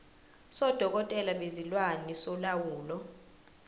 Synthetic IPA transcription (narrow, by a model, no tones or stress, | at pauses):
sɔd̥ʱɔk̬ʼɔtʼɛlaɓezilwanisɔlawuːlɔ